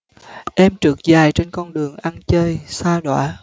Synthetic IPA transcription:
ʔɛ˧mt͡ɕɨ˨˩˦k̚zaː˨˩jt͡ɕe˧nkɔ˧nɗɨ˨˩əŋʔa˧nt͡ɕəː˧jsaː˧ɗa̰ː˧˨˦

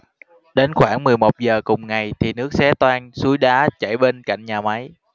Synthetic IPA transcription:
ɗe˨˦nxwaː˧˩ŋmɨ˨˩əjmo˨˩t̚zəː˨˩kʊ˨˩ŋ͡mŋa˨˩jt̪ʰi˨˩nɨ˦˥ək̚sɛ˨˦t̪waː˧nsu˨˦jɗaː˨˦t͡ɕa̰˧˩jɓe˧nka̰˧˨jŋ̟ɲaː˨˩ma˨˦j

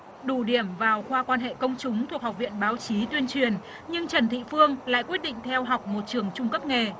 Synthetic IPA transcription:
ɗu˧˩ɗi˧˩əmvaː˨˩wxwaː˧kwaː˧nɦḛ˧˨kə˧wŋ͡mt͡ɕʊ˨˦ŋ͡mt̪ʰu˨˩ək̚ha˨˩wk͡p̚vḭ˧˨ənɓaː˨˦wt͡ɕi˨˦t̪wi˧ənt͡ɕwi˨˩ən | ɲɨ˧ŋt͡ɕə˨˩nt̪ʰḭ˧˨fɨ˧əŋla̰ː˧˨jkwi˦˥ət̚ɗḭ˧˨ŋ̟t̪ʰɛ˧wɦa˨˩wk͡p̚mo˨˩t̚t͡ɕɨ˨˩əŋt͡ɕʊ˧ŋ͡mkə˦˥p̚ŋe˨˩

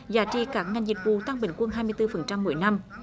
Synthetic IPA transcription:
zaː˨˦t͡ɕḭ˧˨kaː˦˥k̚ŋa˨˩jŋzi˨˩k̚vṵ˧˨t̪a˧ŋɓï˧˩˦ŋ̟kwə˧nɦaː˧jmɨ˧əjt̪ɨ˧fə˨˩nt͡ɕa˧mːṵ˨˧˩əjna˧m

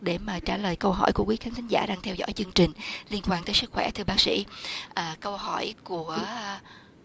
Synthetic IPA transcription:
ɗe˧˩maː˨˩t͡ɕaː˧˩ləː˨˩jkə˧wɦɔ̰˧˩jku˧˩əkwi˨˦xaː˨˦nt̪ʰï˨˦ŋza̰ː˧˩ɗaː˧ŋt̪ʰɛ˧wzɔ̰˧˥˨jt͡ɕɨ˧əŋt͡ɕï˨˩ŋ̟li˧ənkwaː˧nt̪əː˨˦jsɨ˦˥k̚xwɛ̰˧˩t̪ʰɨ˧əɓaː˦˥k̚sḭ˧˥ʔəː˨˩kə˧wɦɔ˧˩˨jku˧˩ə

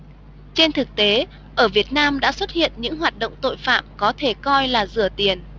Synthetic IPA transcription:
t͡ɕe˧nt̪ʰɨ˨˩k̚t̪e˨˦ | ʔəː˧˩vi˨˩ət̚naː˧mɗa̰ː˧˥swə˦˥t̚hḭ˧˨ənɲɨ̰˧˥ŋɦwaː˨˩t̚ɗə̰˧˨wŋ͡mt̪o̰˧˨jfa̰ː˧˨mkɔ˨˦t̪ʰe˧˩kɔ˧jlaː˨˩zɨ˧˩ət̪i˨˩ən

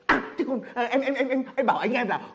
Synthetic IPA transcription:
ʔa˧˩t͡ɕɨ˦˥kɔ˨˩nʔəː˨˩ʔɛ˧mʔɛ˧mʔɛ˧mʔɛ˧mʔŋ͡mɓaː˧˩wʔəː˨˧˩ɲ˦˥ʔɛ˧mlaː˨˩

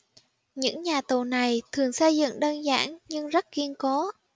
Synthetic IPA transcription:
ɲɨ̰˧˥ŋɲaː˨˩t̪o˨˩na˨˩jt̪ʰɨ˨˩əŋsə˧jzɨ̰˧˨ŋɗəː˧nza̰ː˧˥˩nɲɨ˧ŋzə˦˥t̚ki˧ənkɔ˨˦

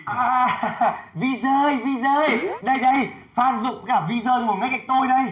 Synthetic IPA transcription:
ʔaː˨˩ | vi˧zəː˧jvi˧zəː˧jɗə˧jɗə˧j | faː˧nzʊ̰˧˨ŋ͡mkaː˧˩p̚vi˧zəː˧jmu˨˩t̚ma˨˦jka˧˩jk̚t̪o˧jɗə˧j

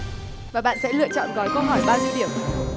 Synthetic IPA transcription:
vaː˨˩ɓa̰ː˧˨nsɛ̰˧˥lɨ̰˧˨ət͡ɕɔ̰˧˨nɣɔ˨˦jkə˧wɦɔ˧˩jɓaː˧zi˧əwɗi˧˩əm

